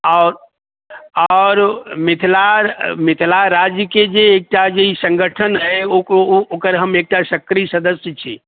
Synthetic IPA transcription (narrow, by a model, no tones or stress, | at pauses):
ɔːɾ | ɔːɾmɪt̪ʰlamɪt̪ʰlaɾaːd͡ʒked͡ʒeːk̚ʈad͡ʒoisə̃ŋɡʱəʈʰənɦɛ | okəɾɦəmeːk̚ʈaʃəkɾisɐd̪əsjət͡ʃʰḭː